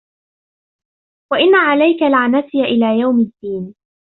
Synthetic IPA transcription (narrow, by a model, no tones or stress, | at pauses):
waʔɪnːaʕalajkalʕanasɪjaʔɪlaːjawmɪd̪ːiːn